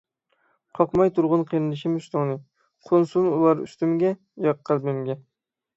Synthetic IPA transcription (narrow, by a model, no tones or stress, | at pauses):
qʰɑqmɑjt̪ʰʊɾʁʊnqʰijɾɪlɪʃɪmyst̪ʊŋnɪ | qʰonsunulˠɑɾy̰st̪ɪmɡʲɛ | jɑqːɑlbɪmɡʲɛ